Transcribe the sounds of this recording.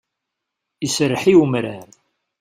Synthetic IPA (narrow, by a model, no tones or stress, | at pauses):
isɾːħiwəmɾæɾ